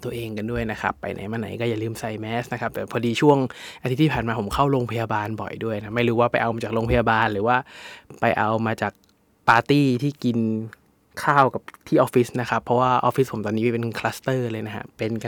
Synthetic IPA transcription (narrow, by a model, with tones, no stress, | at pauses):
t̪u˧əʔeː˧ŋka˧ndu˥˩əjna˦˥kʰa̰˦˥pːa̰˧jnʔa̰˨˩˦jmaː˧˥˩na̰˩˦jkɔː˥˩jaː˨˩lɯː˥˩msa˧jmɛː˦˥sna˦˥kʰa˦˥p̚t̪ɛː˨˩pʰɔː˧diː˧t͡ɕʰu˥˩əŋʔa˧t̪ʰt̪ʰːi˥˩paː˨˩nmaː˧pʰo˩˦mkʰa˥˩wloː˧ŋpʰa˧jaː˧baː˧nbɔ̰˨˩jdu˥˩əjnʰa˦˥ma˥˩jɾuː˦˥waː˥˩pa˧jʔa˧wmaː˧t͡ɕa˨˩lo˧ŋpʰa˧jaː˧baː˧nɾɯː˩˦waː˥˩pa˧jʔa˧wmaː˧t͡ɕaː˨˩k̚ | paː˧t̪iː˥˩t̪ʰiː˥˩ki˧n | kʰaː˥˩wka˨˩p̚t̪ʰiː˥˩ʔɔː˦˥fi˦˥sna˦˥kʰa˦˥pʰːɔ˦˥waː˥˩ʔɔ̰˧˥fi˦˥spʰo˩˦mt̪ɔː˧nːiː˦˥˩pe˧nkʰlaː˦˥st̪ɤː˥˩lɤː˧jna˦˥kʰa̰˦˥pe˧nk